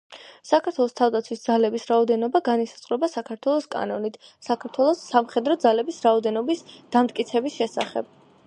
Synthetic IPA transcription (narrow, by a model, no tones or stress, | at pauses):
sakʰaɾt̪ʰwɛlˠɔst̪ʰavd̪at̪sʰwisd̪zalɛbisɾaɔd̪ɛnɔbaɡanisḁt̪sʼqʼɾɛbasakʰaɾt̪ʰwɛlˠɔskʼa̰nɔnit̪ʰsakʰaɾt̪ʰwɛlˠɔsːamχɛd̪ɾɔd̪zalɛbisɾaɔd̪ɛnɔbisd̪̥amt̪̚ʼkʼit̪sʰɛbisʃɛsa̰χɛ̰b̥